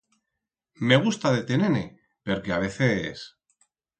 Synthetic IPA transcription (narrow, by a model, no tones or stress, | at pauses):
me̞ɣ̞ust̪aðet̪enene | peɾkeaβ̞e̞θes